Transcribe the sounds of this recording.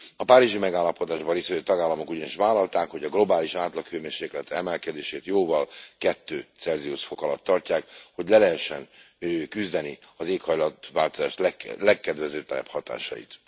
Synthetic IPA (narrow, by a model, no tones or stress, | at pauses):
ɒpaːɾiʒimɛɡaːlːɒpo̞d̪aːʒbɒrisɛøːt̪ɒɡaːlːɒmo̞kuɟɒniʃʋaːlɒlt̪aːkho̞ɟɒɡlo̞baːliʃaːt̪lɒkhøːmeːrʃeːklɛt̪ɛɛmɛlkɛd̪eːʃeːt̪joːvɒlkɛt̪ːøːt̪sɛlzijuʃfo̞kɒlɒ̰t̪ːɒrcaːkho̞ɟlɛlɛɦɛʃːɛn | kyzd̪ɛni | ɒzeːkhɒjlɒt̪ʋaːlt̪ozaːʃt̪lɛlɛkːɛd̪vɛzøːt̪ɛlɛ̰phɒt̪a̰ːʃɒ̰jḭt̪